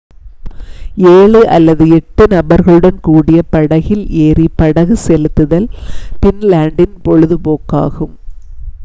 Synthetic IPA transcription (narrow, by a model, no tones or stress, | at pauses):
eːɭɯʔɐlːɐðɯɛʈːɯnɐbɐɾɣɐɭɯɽɐnkuːɽɪjɐpɐɽɐɣɪleːripɐɽɐɣɯsɛlɯt̪ːɯðɐlpɪnlaːɳɖɪnpɔɻɯðɯpoːkːa̰ːɣɯm